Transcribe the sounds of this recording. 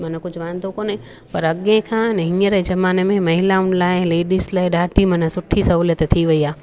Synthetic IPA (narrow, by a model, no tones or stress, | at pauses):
mɐnkʊd͡ʒʱʋãːnd̪okoːnẽ | pɐɾɐɠẽkʰãnɦĩːəɾed͡ʒɐmaːnemẽmɐɦɪlaʊɳlaːɪnleːɖislaːiɗaːʈʰimɐnəsʊʈʰisɐɦuːljət̪t̪ʰiʋɐiaː